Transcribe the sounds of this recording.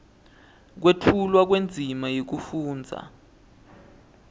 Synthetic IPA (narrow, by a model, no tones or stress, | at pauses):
k̬wetʰulwak̬wend͡zʱimajok̬ufuːnd͡zʱa̰